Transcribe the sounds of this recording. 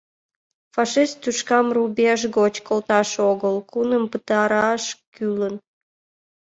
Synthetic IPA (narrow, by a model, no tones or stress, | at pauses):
fɑʃist̪ːuʃkɑmrubeʒɣot͡ɕkolt̪ɑʃoɣəlkunəmpət̪ɑɾɑʃkylən